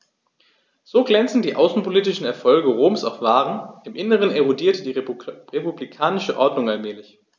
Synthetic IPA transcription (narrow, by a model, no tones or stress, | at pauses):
z̥oːɡlɛnt͡sn̩diːʔaʊsn̩pʰoliːtɪʃn̩ɛɐfɔlɡəʁoːmsa̰ʊfv̥aːʁənʔɪmʔɪnəʁ̞əneʁodiːɐtəd̥iːʁepublikʰaːnɪʃəʔɔɐdnʊŋalmɛːlɪç